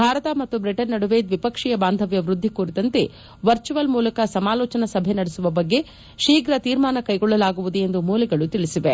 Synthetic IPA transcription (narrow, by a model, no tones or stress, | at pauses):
bʱaːɾɐt̪ɐmɐt̪ːubɾiʈɐnːɐɽuʋeːd̪ʋipɐkʂijɐbaːnd̪ʱɐʋjɐʋɾud̪ʱːikuːɾit̪ɐnt̪e̞ | ʋɐɾt͡ʃuʋɐlmuːlɐkɐsɐmaːlɔːt͡ʃɐnɐsɐbʱenɐɽesuʋɐbɐɡːe̞ | ʃiːɡɾɐt̪iːɾmaːnɐkɐjɡɔɭːɐlaːɡuʋud̪ue̞nd̪umuːlɐɡɐɭut̪iɭisiʋe